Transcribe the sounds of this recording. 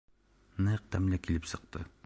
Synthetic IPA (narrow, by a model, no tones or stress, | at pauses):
næq̚t̪æmlækilɘpsɤ̆q̚t̪ɤ̰